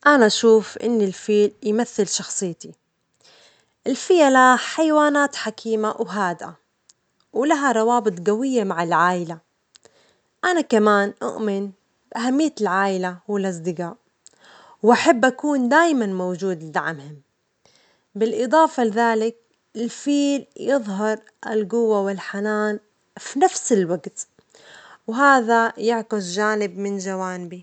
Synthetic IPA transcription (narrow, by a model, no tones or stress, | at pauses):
ʔanaʔaʃuːfʔɪ̰nːɪlfiːljmaθːɪlʃɑxsˤɨjːt̪i | ʔɪlfijalaħajwaːnaːt̪ħakʰiːmawɦaːd̪ʔa | wlaɦaɾˤɑwɑːbɨt̪ˤɡawɪjːamaʕɪlʕaːʔɪla | ʔanakamaːnʔʊ̰ʔmɪn | bʔaɦamːɪjːaɪlʕaːʔɪlawɪlʔɑs̬ˤd̪ɪɡaːʔ | wʔaħabːʔakuːnd̪aːjmanmowd͡ʒuːd̪lɪd̪a̰ʕmhɪm | bɪlʔɨd̪ˤɑːfɑlɪðaːlɪk̚ | ɪlfiːljɨðˤɦɑɾˤ | ʔɪlɡʊwːawɪlħanaːn | finafsɪlwaɡt̪ | wɦaːðajɪʕkɪsʒaːnɪbmɪnd͡ʒawaːnɪbi